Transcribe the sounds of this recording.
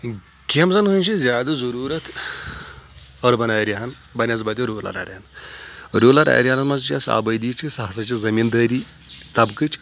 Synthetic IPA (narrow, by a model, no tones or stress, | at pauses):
kʲemzɐnɦɨnʲt͡ʃʰizʲjaːd̪ɐzɐɾuːɾɐt̪ʰ | ɐɾbɐnaːjɾʲiɦɐn | bɐnʲjazbɐd̪iɾoːlɐ̰ɾɐ̰ɾʲan | ɾoːlɐɾɐ̰ɾʲanɐmɐzt͡ʃasa̰bɐjd̪iːt͡ʃʰisɐɦasɐt͡ʃizɐmiːnd̪əːɾiː | t̪ɐbkɨt͡ʃ